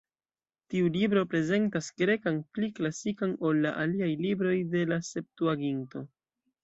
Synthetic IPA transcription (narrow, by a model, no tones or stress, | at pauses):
tiulibɾo̞pɾe̞ze̞ntaskɾe̞kanpliklasikano̞lːaʔaliajlibɾo̞jde̞lase̞p̚tuaɡinto̞